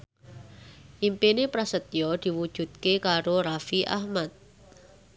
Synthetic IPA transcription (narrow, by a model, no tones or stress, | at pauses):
ʔimpenepɾasət̪jɔd̪̥i̤wud̥ʒ̥ṳt̪̚kekaɾoɾafiʔa̰hmat̪̚